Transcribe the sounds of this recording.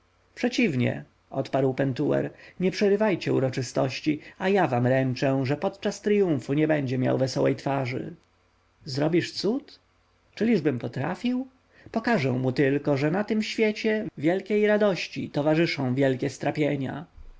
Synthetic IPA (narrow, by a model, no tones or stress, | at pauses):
pʂɛt͡ɕivɲɛ̰ | ʔɔ̰t̪paɾwpɛnt̪uwɛ̰ɾɲɛpʂɛɾɘvajt͡ɕɛṵɾɔt͡ʂɘst̪ɔɕt͡ɕiajavamɾɛnt͡ʂɛ̃ʐɛpɔt̪t͡ʂast̪ɾijũfuɲɛbɛɲd͡ʑɛmʲja̰wvɛsɔwɛ̰jt̪faʐɘ̰ | zɾɔbʲiʂt̪sut̪ | t͡ʂɘlʲiʐbɘmpɔt̪ɾafʲiw | pɔkaʐɛw̃mut̪ɘlkɔʐɛnat̪ɘmɕfʲjɛt͡ɕɛvʲjɛlkʲejɾad̪ɔɕt͡ɕḭt̪ɔvaʐɘʂɔ̃w̃vʲjɛlkʲɛst̪ɾapʲjeɲa̰